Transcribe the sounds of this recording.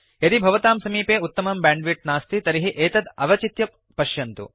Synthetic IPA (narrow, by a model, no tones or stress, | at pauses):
ɐd̪ibʱɐʋɐt̪aːmsɐmiːpeːut̪ːɐmɐmbaːɳɖʋiʈ̚naːst̪it̪ɐɾiɦiʔeːt̪ɐd̪ɐʋɐt͡ʃit̪jɐ | pɐʃjɐnt̪ṵ